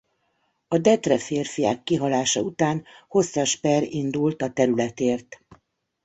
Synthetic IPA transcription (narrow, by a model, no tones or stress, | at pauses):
ɒd̪ɛt̪rɛfeːrfija̰ːkːiɦɒlaːʃɒut̪aːnho̞sːɒʃpɛɾind̪ult̪ɒt̪ɛɾylɛt̪eːrt̪